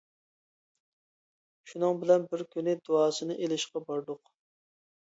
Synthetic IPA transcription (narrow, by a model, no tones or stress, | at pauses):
ʃunɨŋbɪlɛnbɪɾkʲynɪd̪oɑːsɨnɨʔelɪʃqɑbɑɾd̪ʊq